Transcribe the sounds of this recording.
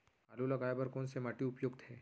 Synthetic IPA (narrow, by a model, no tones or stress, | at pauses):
aːlulɐɡaːjbɐɾkoːnsemaʈiʊpjʊɡd̪hɛː